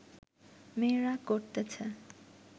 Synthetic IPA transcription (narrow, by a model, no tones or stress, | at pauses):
meɾakoɾt̪et͡ɕʰə